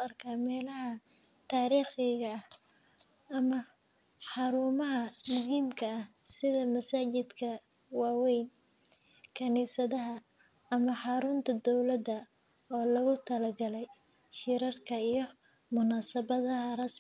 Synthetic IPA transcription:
ɐrkʰaːmɛːlɐɦɐt̪ʰaːɾiːχɛɣɐɐh | ɐmɐ | ħɑɾuːmɐɦɐmʊiːmkʰɐːh | sɪðɐmɐsaːt͡ʃɪd̪kʰɐwɑːwɛjn | kʰɐniːsɐðɐɦɐː | mɐħɑɾʊːnt̪ʰɐd̪ɔwlɐd̪ɐɔːlɐɣʊt̪ʰɐlɐɡɐlɛjʃɪɾɐrkʰɐijɞmʊnaːsɐβɐðɐɦɐrɐs

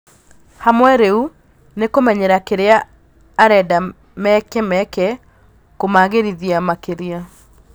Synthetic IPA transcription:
hamwɛɾeu | nekomɛɲɛɾakeɾeaː | ɾɛda | mɛkɛmɛkɛ | komaɣeɾiðiamakeɾia

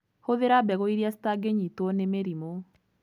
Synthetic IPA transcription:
hoðeɾabɛɣoiɾiasi̥taɡeɲitɔnemeɾimo

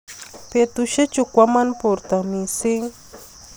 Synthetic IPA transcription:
pet̪ʊʃat͡ʃʊkʷamanpʊɾt̪amisɪŋ

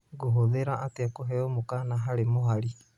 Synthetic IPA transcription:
ɡuɦoðeɾaʔːtiakoɦeomukanaɦaɾimuɦaɾi

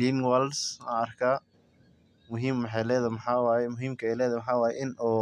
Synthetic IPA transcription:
liːnwɛlsa̰ɐrkʰɐ | mʊɦiːmːħɛlɛːðɐmɐħɑːwɑːjɛmʊɦiːmkʰɐɛjlɛːðɐmħɑːwɑːjɛ̰ʔɪnuː

